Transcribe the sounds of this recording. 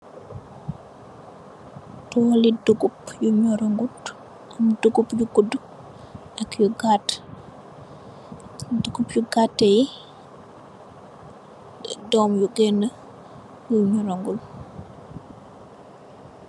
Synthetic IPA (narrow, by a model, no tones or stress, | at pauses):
tɔliduɡupjuɲoɾoŋɡut | umduɡupjuɡudu | akjuɡat | duɡupjuɡatːeji | dɔmjuɡɛna | juɲoɾoŋɡul